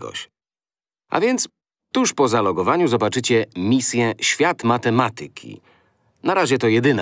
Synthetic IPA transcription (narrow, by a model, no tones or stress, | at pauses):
ɡɔ̰ɕ | ʔa̰vʲjɛnt̪s | t̪uʂpɔzalɔɡɔvaɲuzɔbat͡ʂɘt͡ɕɛmʲisʲjɛɕfʲjat̪mat̪ɛmat̪ɘkʲʰḭ | naɾaʑɛt̪ɔjɛd̪ɘna